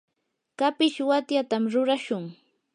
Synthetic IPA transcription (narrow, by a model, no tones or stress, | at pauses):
kapɪʃwat̪jat̪amɾʊɾaʃʊŋ